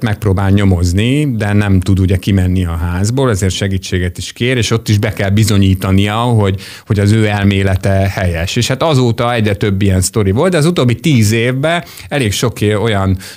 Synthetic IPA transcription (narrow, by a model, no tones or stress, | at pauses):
t̪mɛk̚pɾoːbaːlɲo̞mo̞znid̪ɛnɛmt̪ud̪uɟɛkimɛnːiɒɦaːzboːlɛzeːrt̪ʃɛɡiːt͡ʃːeːɡɛt̪iʃkeːɾeːʃo̞t̪ːiʒbɛkɛlbizo̞ɲiːt̪ɒnijɒɦo̞ɟ | ho̞ɟɒzøːɛlmeːlɛt̪ɛhɛjɛʃeːʃhat̪ɒzoːt̪ɒɛɟrɛt̪ø̞bːijɛnst̪o̞ɾivo̞ld̪d̪ɛɒzut̪oːbːit̪iːzeːvːɛ | ɛleːkʃo̞ko̞jɒn